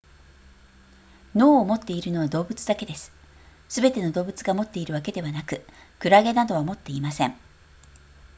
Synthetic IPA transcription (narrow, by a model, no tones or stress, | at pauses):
no̞ːomo̞t̪ːe̞iɾɯ̟no̞β̞ad̪o̞ːbɯ̟t͡sɨd̪ake̞d̪e̞sɨ̥ | sɨbe̞t̪e̞no̞d̪o̞ːbɯ̟t͡sɨɡamo̞t̪ːe̞iɾɯβake̞d̪e̞βanakɯ̟kɯ̟ɾaɡe̞nad̪o̞βamo̞t̪ːe̞imasẽ̞ɴ